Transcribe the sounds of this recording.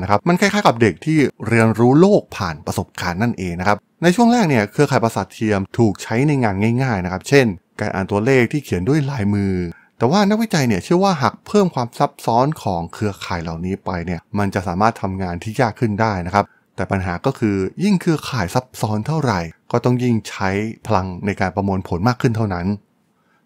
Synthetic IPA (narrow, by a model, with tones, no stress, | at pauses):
na˦˥kʰa˦˥ma˧nkʰa˥˩kʰaː˥˩ka˨˩p̚de˨˩k̚t̪ʰiː˥˩ɾi˧ənɾuː˦˥loː˥˩k̚pʰaː˨˩npɾa˧so˨˩p̚kaː˧nːa˥˩nʔeː˧ŋna˦˥kʰa˦˥p̚ | na˧jt͡ɕʰu˥˩əŋlaː˥˩k̚ni˥˩ɐkʰɯ˧ɐkʰaː˨˩pɾa˧sa˨˩t̪ʰːi˧əmt̪ʰuː˨˩k̚t͡ɕʰa˦˥jna˧jŋaː˧nŋaː˥˩jŋaː˥˩jna˦˥kʰa˦˥p̚t͡ɕʰe˥˩nkaː˧nʔa̰ː˨nt̪u˧ɐleː˥˩k̚t̪ʰiː˥˩kʰi˨˩˦əndu˥˩əjlaː˨˩˦jmɯː˧ | t̪ɛː˨˩waː˥˩na˥k̚wi˥t͡ɕa˧jni˥˩ɐt͡ɕʰɯ˥˩ɐwaː˥˩ɦa˨˩k̚pʰɤː˥˩mkʰwaː˧msa˦˥p̚sɔː˦˥nkʰɔː˩˦ŋkʰɯ˧ɐkʰaː˨˩jla˨˩wniː˦˥pa˧jni˥˩ɐma˧nt͡ɕa˨˩ʔsaː˩˦maː˥˩t̪ʰːa˧mŋaː˧nt̪ʰiː˥˩jaː˥˩kʰːɯ˥˩ndaː˥˩jna˦˥kʰa˦˥p | t̪ɛː˨˩pa˧nɦaː˩˦kɔː˥˩kʰɯː˧ji˥˩ŋkʰɯ˧ɐkʰaː˨˩jsa˦˥p̚sɔː˦˥nt̪ʰa˥˩wɾa˨˩jkɔː˥˩t̪ɔ˥˩ŋji˥˩ŋt͡ɕʰa˦˥jpʰa˧la˧ŋna˧jkaː˧npɾa˧mu˧ənpʰo˩˦nmaː˥˩kʰːɯ˥˩nt̪ʰa˥˩wna˦˥n